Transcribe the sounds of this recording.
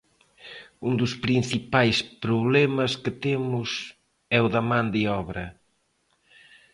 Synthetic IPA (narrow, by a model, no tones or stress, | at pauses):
und̪ʊspɾin̟θipajspɾʊβlɛmɐsket̪emʊs | ɛʊðamãnd̪iɔβɾɐ